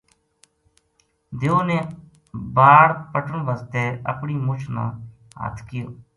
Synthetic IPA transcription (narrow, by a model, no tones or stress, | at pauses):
d̪eːoːneː | baːɽpəʈəɳʋəːst̪eːə̰pɳiːmʊt͡ʃʰnã̰ː | ɦə̰t̪ʰkɪjoː